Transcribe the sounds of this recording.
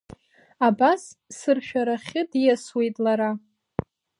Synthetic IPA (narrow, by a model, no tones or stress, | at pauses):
abasːɨrʃᶣaɾaχʲɪdijaswe̞jtʼlaɾa